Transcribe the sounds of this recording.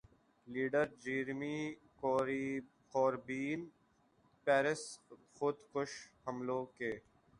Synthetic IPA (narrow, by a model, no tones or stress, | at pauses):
liːɖəɾd͡ʒiːɾmiː | koːɾi | kɔːɾbiːn | pɛːɾɪs | xʊd̪xʊʃhəmlõːkeː